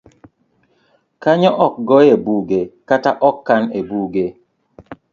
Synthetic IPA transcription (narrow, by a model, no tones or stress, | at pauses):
kaɲɔʔɔk̚ɡɔebuɡekataʔɔkːanebuɡe